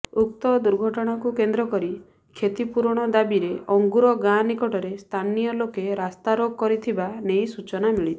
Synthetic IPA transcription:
ukt̪ɔd̪uɾɡʱɔʈɔɽ̃akukend̪ɾɔkɔɾi | kʰet̪ipuɾɽ̃ɔd̪abiɾeɔŋɡuɾɔɡãnikɔʈɔɾest̪ʰanijɔlokeɾast̪aɾoɡ̚kɔɾit̪ʰibanejsut͡ʃɔnamiɭit̪ʰi̥

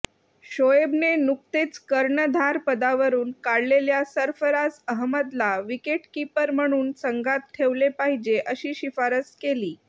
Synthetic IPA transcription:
ɕojebnenuk̚t̪et͡skəɾɳəd̪ʱaɾpəd̪aʋəɾuːnkaɽleljasəɾfəɾad͡zəɦməd̪laʋikeʈkipəɾm̤əɽ̃uːnsəŋɡat̪ʈʰeʋlepaɦid͡ʑeʔəɕiːɕifaɾəskeliː

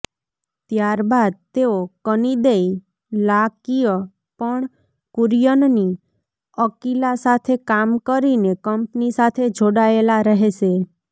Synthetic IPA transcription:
t̪jaɾbad̪̚t̪eokənid̪ei | lakijə | pəɳ | kʊɾjənni | əkilasat̪ʰekamkəɾinekəmpnisat̪ʰed͡ʒʱoɽaelaɾəɦeʃe

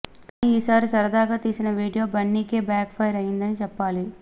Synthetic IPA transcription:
ɐniiːsaːɾisɐɾɐd̪aːɡaːt̪iːsinɐʋiːɽijo̞ːbɐɳːiːkeːbaːkpʰɐjɾɐjind̪ɐnit͡ʃɛpːaːli

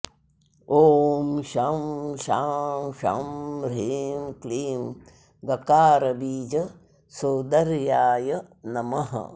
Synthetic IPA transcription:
oːmʃamʃaːmʃa̰mɾeːmkliːm | ɡɐkaːɾɐbiːd͡ʒɐ | soːd̪ɐɾjaːjɐ | nɐmɐɦɐ̰

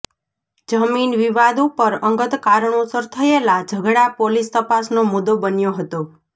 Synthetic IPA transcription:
d͡ʒəminʋiʋad̪upəɾəŋɡət̪kaɾəɳosəɾt̪ʰəelad͡ʒʱəɡɽapolist̪əpasnomud̪obənjoɦət̪o

